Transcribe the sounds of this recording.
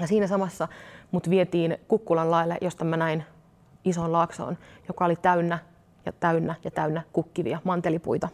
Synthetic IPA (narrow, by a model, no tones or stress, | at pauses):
jɑsiːnæsɑmɑsːɑmut̪ʋiet̪iːnkukːulɑllɑilːḛʔjo̞st̪ɑmænæin | iso̞ːllɑkso̰ːnjokɑolit̪æynːæ | jɑ̰t̪æynːæjɑt̪æynːækukːiʋḭɑmɑnt̪elipṵit̪ɑ